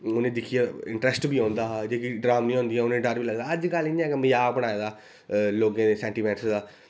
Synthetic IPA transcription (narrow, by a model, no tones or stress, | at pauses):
oːnẽːd̪ɪkʰijaːɪ̰̃ɳʈɾɛsʈbiːɔ̃ːnd̪aːd͡ʒeːkiɖɾaːmĩːõːnd̪iɛ̃ːonẽːɖəɾbiːləɡd̪aːəd͡ʒkəlɪnɛ̃ːkməjaːbəɽ̃aːeːd̪aː | loːɡẽːd̪eːsɛ̃ːɳʈiːmɛ̃ːʈsd̪aː